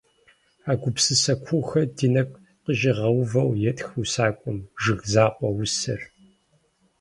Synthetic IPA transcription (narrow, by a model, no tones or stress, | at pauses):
aːɡʷʊpsɨsɐkʷʰuxɐdinɐkʷ | qəʒɪʁɐwvɐwjɛtʼxusaːkʷʼʊmʒɨɣzaːqʷʼɔwʊsɐ̰r